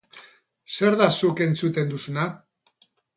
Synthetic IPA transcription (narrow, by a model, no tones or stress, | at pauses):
se̞ɾðasuke̞nt͡sut̪e̞nd̪usuna